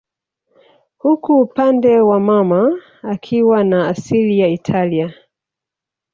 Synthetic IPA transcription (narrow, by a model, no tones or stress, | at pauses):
hukuːpandɛwamamaː | kʰiwanaːsilijaitʰalia